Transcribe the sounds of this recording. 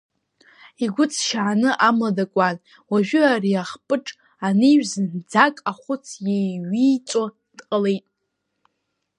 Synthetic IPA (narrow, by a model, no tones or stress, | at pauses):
iɡʷʊt͡sʰʃaʕanɨʔamadakʷʼan | waʒᶣʏariaχpʼɨʈ͡ʂʼ | aniɥᶣzɨnd͡zakʼaχʷʊt͡sʰjejɥiːt͡sʷʼo | d̥qʼəlejtʼ